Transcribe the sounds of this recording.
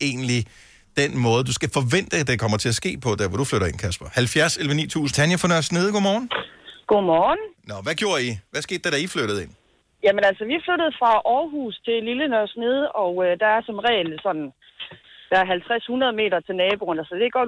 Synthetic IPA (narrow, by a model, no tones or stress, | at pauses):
e̝̰ːn̩li | d̥enmɔ̽ːð̞ˠd̥usɡ̥æfɒ̽ʋen̰d̥əd̥ekʰɒ̽m̰ɐt͡sʰe̝æsɡ̥e̝̰ːpʰɒ̽d̥æɐʋɒd̥ufløɾɐe̝nkʰæsb̥ɐhælfjæɐselʋənḭːt͡sʰṵːsn̩t͡sʰænjɐfɒ̽nɶɐsne̝ðˠɡo̝̰mɒːn̩ɡ̥o̝mɒːn̩nɒʋæɡ̥jo̝ːɐ̰iʋæsɡ̥e̝ːd̥ːæɾ̥æifløɾ̥ð̞̩ˠe̝n̰ | jæmənælsɒʋiæfløɾ̥ð̞̩ˠfʁɑ̈ʔɒːɦuːst͡sʰe̝lilənœɐsne̝ð̞ˠɒ̽ʊød̥ɑ̈æɐsɒ̽mʁɛ̰ːlsɒ̽n̰n̩ | d̥ɑ̈æɐɦælt͡sʰʁashunɐðˠəme̝̰ːɾɐt͡sʰe̝lnɛːb̥o̝nælsɒd̥e̝ɡ̥ɒ